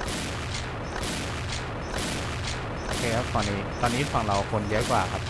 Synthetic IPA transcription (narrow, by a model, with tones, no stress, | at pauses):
kʰeː˧a˦˥t̪ɔː˧nːiː˦˥t̪ɔː˧nːiː˦˥fa˧ŋɾa˧wkʰo˧njɔː˦˥jkwaː˨˩kʰa˦˥p̚